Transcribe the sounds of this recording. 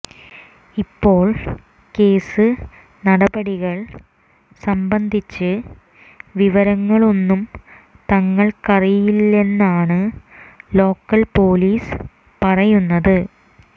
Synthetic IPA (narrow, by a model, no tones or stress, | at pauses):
ipːo̞ːɭ | ke̞ːsɨ | nɐɽɐbɐɽiɣɐɭ | sɐmbɐnd̪ʱit͡ɕːɨ | ʋiʋɐɾɐŋːɐɭo̞nːum | t̪ɐŋːɐɭkɐrijilːe̞nːaːɳɨ | lo̞ːkːɐlpo̞ːliːs | pɐrɐjunːɐðɨ